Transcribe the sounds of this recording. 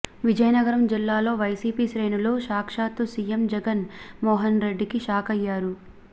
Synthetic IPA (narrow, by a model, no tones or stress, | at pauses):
ʋid͡ʒɐjɐnɐɡɐɾɐmd͡ʒilːaːlo̞ːʋɐjsiːpiːʃɾeːnulo̞ːʃaːkʂaːt̪usiːjemd͡ʒɛɡɐnmɔːɦɐnɾe̞ɖːikiʃaːkɐjːaːɾu